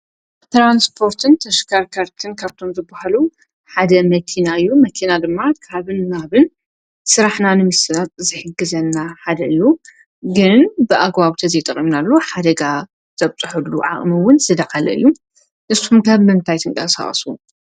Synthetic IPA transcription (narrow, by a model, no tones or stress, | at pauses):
t̪ɾanspʰo̞ɾt̪ʰɨnt̪ʰɐʃkʰaɾkʰaɾt̪ʰɨnkʰaβt̪ʰo̞mzɨbahalu | ħad̪ɐmɐkʰinaɨjːumɐkʰinad̪ɨmːakʰaβɨnmaβɨn | sɨɾaħnanɨmɨsɨat̪ʼzɨħɨɡːɨzɐnːaħad̪ɐɨjːu | ɡɨnbɨʔaɡwaβt̪ʰɐzɐjt̪ʼɐχʼimnalːoħad̪ɐɡa | t̪ʰɐβt͡sʼɨħɨlːuʕa̰χʼmɨwʊnsɨd̪akʼalɐ̰ɨ̰jːu | nʔɨsxumkʰaβmɨnt̪ʰajt̪ʰɨŋkʼɐsa̰χʼɐ̰su